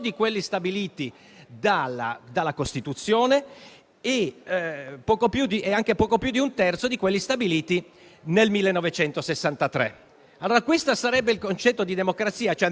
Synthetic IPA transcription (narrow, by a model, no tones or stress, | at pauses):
d̪ikwelːist̪abiliːt̪i | d̪alːa̰d̪alːakost̪it̪ut̪sːjoːne | e | pɔːkopjud̪iʔeaŋk̟epɔːkopjud̪iunt̪ɛrt̪sod̪ikwelːist̪abiliːt̪i | nelmilːenːɔvet͡ʃɛnt̪osesːant̪at̪ɾɛ̰ | alːoːɾakwest̪asaɾɛbːeilkont͡ʃɛt̪ːod̪id̪emokɾat̪sːiːat͡ʃoɛ